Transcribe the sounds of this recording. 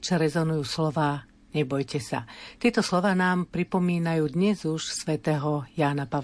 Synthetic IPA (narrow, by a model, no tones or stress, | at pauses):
t͡ʃaɾɛzɔnujuːslɔʋaː | ɲɛbɔjcɛsa̰t̪ɪɛt̪ɔslɔʋaːnaːmpɾipɔmiːnajuːd̪ɲɛzuʃsʋɛt̪ɛːɦɔjaːnapa